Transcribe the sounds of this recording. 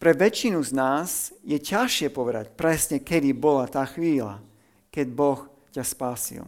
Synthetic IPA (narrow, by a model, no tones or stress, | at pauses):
pɾɛʋɛt͡ʃinuznaːzjɛcaʃɪɛpɔʋɛd̪a̰cpɾɛsɲɛkɛd̪ibɔlat̪aːxʋiːla̰ | kɛɟbɔx | caspaːsḭl